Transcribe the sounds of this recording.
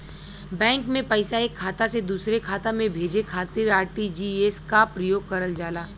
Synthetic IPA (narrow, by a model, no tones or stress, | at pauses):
bɛ̃ːŋkmẽpɐɪsaeːkʰːaːt̪ased̪uːsɾekʰaːt̪ãmẽbʱeːd͡ʒekʰaːt̪ɪɾaːɾʈid͡ʒiːeːskapɾɐjoːɡ̚kɐɾəld͡ʒaːlaː